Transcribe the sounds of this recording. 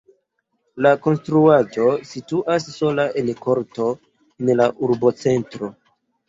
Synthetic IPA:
lako̞nstɾuad͡ʒo̞situʔasːo̞lae̞nko̞ɾto̞ | enlaʔuɾbo̞t͡se̞ntɾo̞

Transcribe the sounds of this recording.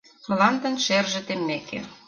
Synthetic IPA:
məlɑnd̪ə̆nʃerʒĕt̪emːekḛ

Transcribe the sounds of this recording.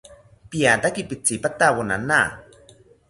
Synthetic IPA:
piat̪akipit͡sipat̪awona̰na

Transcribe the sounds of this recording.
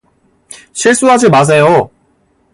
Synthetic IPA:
ɕʰiɭs͈uɦad͡ʑimas̬ʰe̞jo

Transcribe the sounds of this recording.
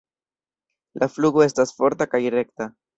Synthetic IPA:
lafluɡo̞e̞stasfo̞ɾtakajre̞kta

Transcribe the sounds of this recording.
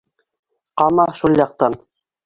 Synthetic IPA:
qɑmɑʃulˠjɑq̚t̪ɑn

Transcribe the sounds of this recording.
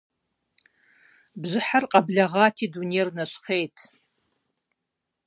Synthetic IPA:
bʒʷɨħarqʼabɮaʁaːtʰidunejrnaʃχejtʰʼ

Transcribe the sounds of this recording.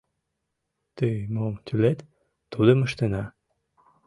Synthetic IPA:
t̪ymomt̪ylet̪ː | ud̪əməʃt̪enɑ

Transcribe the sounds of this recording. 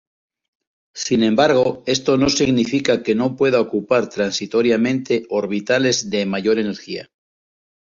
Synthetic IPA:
sinẽ̞mbaɾɣ̞o̞e̞st̪o̞no̞siɣnifikake̞no̞pwe̞ðaokupaɾt̪ɾansit̪o̞ɾjamẽnt̪e̞o̞ɾβit̪ale̞zðe̞maʝo̞ɾe̞ne̞ɾxia̰

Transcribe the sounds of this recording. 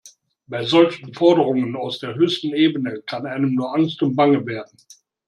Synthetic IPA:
b̥aɪzɔlçn̩fɔɐdəʁ̞ʊŋənaʊsd̥eːɐɦøːstn̩eːbənəkʰanʔaɪnəmnuːɐʔaŋstʊmtb̥aŋəveːɐdn̩

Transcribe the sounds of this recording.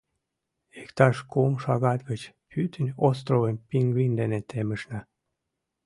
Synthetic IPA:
ekt̪ɑʃkumʃɑɣɑt̪ɡət͡ɕ | pʰyt̪ʰənʲos̬t̪rovənʲpiŋɡlind̪enet̪ʰeməʃnæ

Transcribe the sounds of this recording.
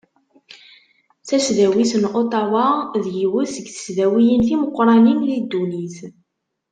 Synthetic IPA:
θæʃðæwisənʔot̪ˤɑwɑðjiwəsəɡθə̥sðæwijənθiməqːɾˤɑninlid̪ːuniθ

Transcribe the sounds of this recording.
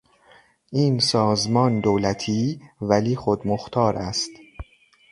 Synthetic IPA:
ʔiːnsɒːzmɒːnd̪owlæt̪ʰiːvæliːxod̪moxt̪ʰɒːɾʔæst̪

